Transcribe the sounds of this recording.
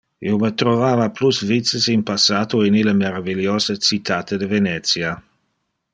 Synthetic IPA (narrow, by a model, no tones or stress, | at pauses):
iwmət̪ɾovaːvaplusvitt͡sːəsinpasaːt̪oiniləmeɾaviljoːzət͡sit̪at̪əd̪əvenɛt̪sja